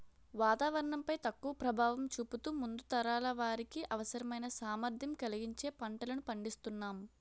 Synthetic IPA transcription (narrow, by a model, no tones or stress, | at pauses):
ʋaːt̪aːʋɐɾɐɳɐmpɐjt̪ɐkːuʋɐpɾɐbʱaːʋɐmt͡ʃuput̪uːmund̪ut̪ɐɾaːlɐʋaːɾikiʔɐʋɐsɐɾɐmɐjnɐsaːmɐɾd̪ʱjɐmkɐliɡiɲt͡ʃe̞ːpɐɳʈɐlɐnupɐɳɖist̪unːaːmu